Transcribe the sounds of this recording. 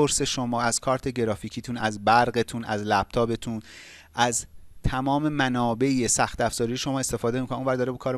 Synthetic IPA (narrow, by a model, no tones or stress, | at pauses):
oɾse̞ʃo̞mɒːæz̥kʰɒːɾt̪ʰe̞ɟeɾɒːficʰiːt̪ʰuːnæzbæɾɢe̞t̪ʰuːnæ̰zlæb̥̚t̪ʰɒːbe̞t̪ʰun | ʔæzt̪ʰæmɒːme̞mænɒːbe̞jesæxt̪æfz̥ɒːɾijeʃo̞mɒːe̞st̪efɒːd̪e̞mikʰonunvæɾd̪ɒːɾebekʰɒːɾe